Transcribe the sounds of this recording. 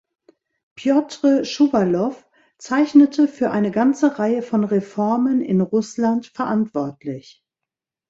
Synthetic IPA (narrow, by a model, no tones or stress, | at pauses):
pjɔtʁ̥əʃuvalɔf | t͡saɪçnətʰəfyːɐʔaɪnəɡant͡səʁaɪəfɔnʁefɔɐmənɪ̰nʁʊslantfɛɐʔantv̥ɔɐtlɪç